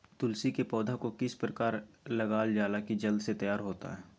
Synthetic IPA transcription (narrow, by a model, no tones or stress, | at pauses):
t̪ʊlsikepɔːd̪ʱakokɪspɾəkaːɾlɐɡaːld͡ʒaːlakid͡ʒɐld̪set̪ɐjaːɾɦoːt̪a̰ɦɛː